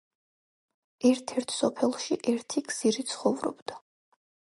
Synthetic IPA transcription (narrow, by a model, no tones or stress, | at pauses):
ɛɾt̪ʰɛɾt̪ʰsɔpʰɛlˠʃiʔɛɾt̪ʰiɡz̥iɾit̪sʰχɔvɾɔ̰bd̪a